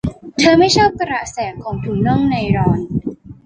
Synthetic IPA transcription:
t̪ʰɤː˧ma˥˩jt͡ɕʰa˥˩p̚kɾa˨˩sɛː˩˦kʰːɔː˩˦ŋt̪ʰuː˩˦ŋnɔ˥˩ŋna˧jɾɔː˧n

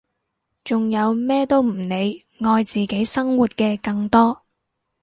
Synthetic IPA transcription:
t͡sʊ˨ŋjɐ˨˧wmɛː˥t̪o˥wm̩˨˩ne˨˧j | ŋɔː˧jt͡siː˨ke˨˥jsɐ˥ŋwuː˨t̚kɛː˧kɐ˧ŋt̪ɔː˥

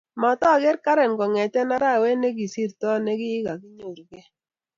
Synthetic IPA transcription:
mɔ˨tɔ˦˨ɡɛ˦ɾka˦ɾɛ˨nɡɔ˨ŋɛ˨tɛ˦na˦ɾa˦˨we˦ne˦ki˨si˦˨ɾtɔ˦nɛ˦kɪ˦ɪ˦ka˨kɪ˦ɲo˨ɾɡɛ˦

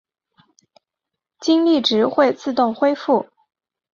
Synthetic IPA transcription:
t͡ɕi˥ŋli˥˩ʈ͡ʂɻ̩˧˥xwe˥˧ɪt͡sɹ̩˥˧t̪ʊ˥˩ŋxwe˥ɪfu˥˩

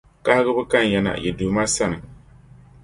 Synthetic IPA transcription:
ka˦hɪ˦ɡɨ˦bɨ˦ka˦n˨jɛ˨˦na̰˨jɛ˨duː˨˦ma˦sa˦nɨ˨

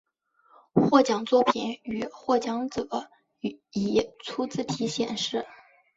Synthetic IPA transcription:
xwɔ˥˩t͡ɕjɑ˨˩ŋt͡swɔ˥˩pʰi˨˩˥ny˨˩xwɔ˥˩t͡ɕjɑ˧˥ŋt͡sɤ˨˩˦ | i˨˩t͡sʰu˥t͡sɹ̩˥˩t̪ʰi˧˥ɕjɛ˨˩nʂɻ̩˥˩

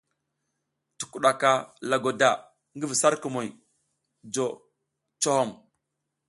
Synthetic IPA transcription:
tu̥˨ku˨ɗa˨ka˨la˨ɡo˨da˨ | ŋɡə˦vi˨sa˦ɾku˨mo˨j | d͡ʒo˨ | t͡ʃo˦ho˦˨m

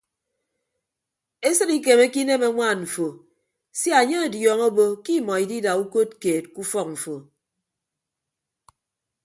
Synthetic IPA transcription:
e˦sɨ˦ɾi˦k̬e˨me˦ki˦ne˦me˦ŋʷaː˦˨nɱ̩˨fo˨ | sji˦a˨ɲe˦e˨djɔː˨ŋo˦bo˦ki˦mɔ˨i˨di˦da˨u˦ko˦t̚keː˨t̚ku˦fɔ˦˨k̚m̩˨fo˨

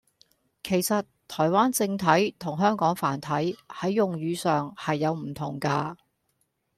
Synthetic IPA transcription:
kʰe˨˩jsɐ˨t | t̪ʰːɔː˨˩jwaː˥nt͡sɪ˧ŋt̪ʰɐ˨˥jt̪ʰʊ˨˩ŋɦœː˥ŋkɔː˨˥ŋfaː˨˩nt̪ʰɐ˨˥jhɐ˨˥jjʊ˨ŋjyː˨˧sœː˨ŋhɐ˨jːɐ˨˧wm̩˨˩t̪ʰʊ˨˩ŋkaː˧

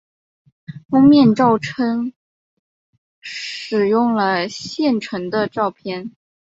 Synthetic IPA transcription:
fʊ˥ŋmjɛ˥˧nʈ͡ʂɑ˥˩ʊʈ͡ʂʰə˥ŋ | ʂɻ̩˨˩jʊ˥˩ŋlə˩ɕjɛ˥˩nʈ͡ʂʰə˧˥ŋd̪ə˧ʈ͡ʂɑ˥˧ʊpʰjɛ˥˩n

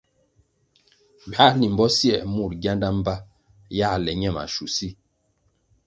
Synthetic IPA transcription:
ba˨˦ni˨m̩˨bɔ˦sjɛ˨mu˦˨ɾɡja˦nda˦m̩˦ba˦ | ja˦˨lɛ˨ɲɛ˦˨ma̰˨ʃu˨si˦˨

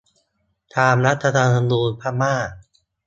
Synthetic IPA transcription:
t̪ʰaː˧mɾa˦˥t̪ʰːa˧t̪ʰaː˧na˧nduː˧npʰaː˦˥˩maː˥˩k̚

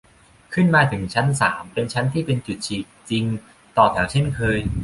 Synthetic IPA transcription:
kʰɯ˥˩nmaː˧t̪ʰɯ˩˦ŋt͡ɕʰa˦˥nsaː˩˦mpe˧nt͡ɕʰa˦˥nt̪ʰiː˥˩pe˧nt͡ɕu˨˩t̪̚t͡ɕʰiː˨˩k̚t͡ɕi˧ŋ | t̪ɔː˨˩t̪ʰɛː˩˦˥wt͡ɕʰe˥˩nkʰɤː˧j

